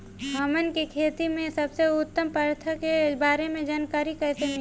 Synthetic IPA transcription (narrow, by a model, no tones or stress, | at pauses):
ɦɐmənkikʰeːt̪imẽsɐbseʊt̪ːəmpəɾt̪ʰəkebaːɾemẽd͡ʒaːnkaːɾikɛːsemɪ